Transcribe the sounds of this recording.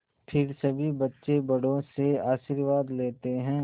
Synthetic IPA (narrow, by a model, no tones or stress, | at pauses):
pʰɪɾsɐbʱibɐtːʃebɐɽõseaːʃiːɾʋaːd̪leːt̪eɦɛ̃ː